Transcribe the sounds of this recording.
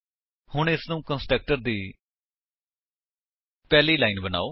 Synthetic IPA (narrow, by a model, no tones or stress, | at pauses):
hʊɳɪsnũːkə̃nsʈɛːk̚ʈəɾd̪iː | pɛːliːlaːinbəna̰ːoː